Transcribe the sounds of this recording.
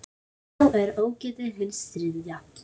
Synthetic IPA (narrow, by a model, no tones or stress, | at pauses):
wɛɾoːwcɛːt̪ɪɦɪlst̪ɾɪðja